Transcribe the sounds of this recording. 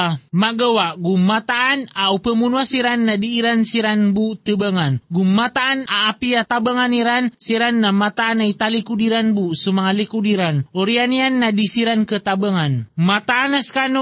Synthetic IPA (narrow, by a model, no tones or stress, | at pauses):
maɡəwaʔɡumat̪aʔːnaupəmunuasiɾanːadiːɾansiɾanbut̪əbəŋanɡumːat̪aʔːnaːpijat̪abəŋaniɾansiɾanːamat̪aanait̪alikudiɾanbusumaŋalikudiɾanoɾianianːadisiɾankət̪abəŋanmat̪aːnaskano